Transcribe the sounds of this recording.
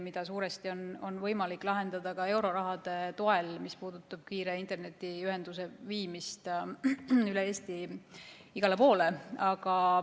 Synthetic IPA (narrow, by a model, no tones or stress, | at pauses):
mid̪̥ɑsuːɾe̞st̪io̞no̞nvɤ̞jmɑlikːˑlɑɦe̞nd̪ɑd̪̥ɑkɑe̞wɾo̞ɾɑɦɑd̪̥e̞t̪oe̞lmispuːd̪̥ut̪ːˑɑb̥̚kiːɾeint̪ˑe̞rne̞t̪ːˑiyɦend̪̥us̬e̞viːmist̪ | yleeːst̪i | iɡ̥ɑle̞po̞ːle̞ɑɡ̥ɑ